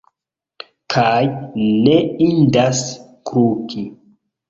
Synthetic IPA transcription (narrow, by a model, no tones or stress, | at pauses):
kʰajneindas | kɾukʰi